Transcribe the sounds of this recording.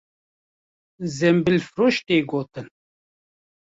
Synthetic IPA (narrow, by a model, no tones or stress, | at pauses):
zɛmbilfɾoːʃt̪eːɡoːt̪ɨn